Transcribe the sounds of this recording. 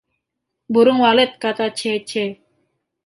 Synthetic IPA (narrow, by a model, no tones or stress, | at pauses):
buɾʊŋwalɪt̪̚kat̪at͡ʃɛt͡ʃɛ